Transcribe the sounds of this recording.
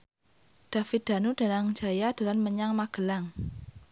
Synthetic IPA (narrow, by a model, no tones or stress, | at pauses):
d̥a̤fɪd̪̥a̤nud̥a̤naŋd͡ʒa̤jad̥a̤lanməɲaŋmaɡ̥ə̤laŋ